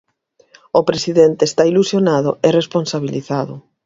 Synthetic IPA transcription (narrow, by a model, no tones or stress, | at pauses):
opɾesiðent̪est̪ailusjonaðʊ̰eresponsaβ̞iliθaðʊ̰